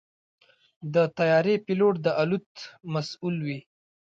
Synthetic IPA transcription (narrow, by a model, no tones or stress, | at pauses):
d̪ət̪ajɑɾepiloʈ̚d̪əʔalut̪masulwi